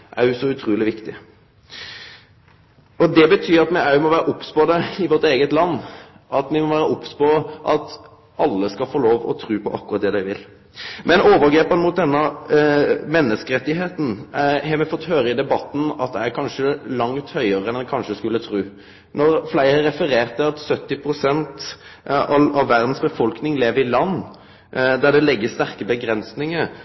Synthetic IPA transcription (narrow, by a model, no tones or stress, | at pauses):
ʔæɾjʊsɔʉt̪ʰɾuːlɪʋɪkt̪ɪ | ɔd̪ɛbət̪ʰyːɾɑt̪mɛæmɔʋæːɾəʔɔpːspoːd̪ɛɪʋɔɾt̪eːɡət̪lɑnː | ʔɑt̪mɪmɔʋæːɾəʔɔpːspɔʔɑt̪ | ɑlːəskɑfoːloːʋɔ̰t̪ʰɾʉːpʰɔʔɑ̰kːʉɾɑt̪̚d̪ɛːd̪æɪʋɪl | mʔɛnoːʋəɾɡɾeːpənmʊt̪̚d̪ɛnːɑ | mɛnːəskəɾɛt̪ːɪɦeːt̪n̩hɛmɛfɔt̪ːhøːɾəɪd̪ɛbɑt̪ːn̩ɑ̰t̪̚d̪æɪæɾkʰɑnʂəlɑŋt̪hœʏəʁəɛnd̪ækʰɑnʂəskʉlːət̪ʰɾʉː | nɔɾflæɪəɾɛfəɾeːʁt̪ːɪlɑt̪sœt̪ːɪpʰʁʊsɛnt̪ | ɑɑʋːæʁd̪n̩sbəfɔlknɪŋleːʋəɾɪlɑnː | d̪æɖ̪ɛlɛɡːəst̪æʁkəbəɡɾɛnsnɪŋəɾ